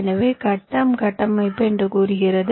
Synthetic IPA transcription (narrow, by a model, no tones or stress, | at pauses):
nɐʋeːkɐʈːɐmkɐʈːɐmɐɪpːɐɛndrɯkuːɾɯɣɪrɐð